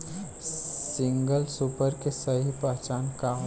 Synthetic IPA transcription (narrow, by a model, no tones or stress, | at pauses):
sɪ̃ŋɡəlsupəɾkesɐɦipaːt͡ʃaːnkaː